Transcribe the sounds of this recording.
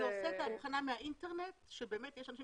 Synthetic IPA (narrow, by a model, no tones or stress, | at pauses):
oset̪amuχanamehaʔinteʁnetʃebeːmetjɛʃanaʃi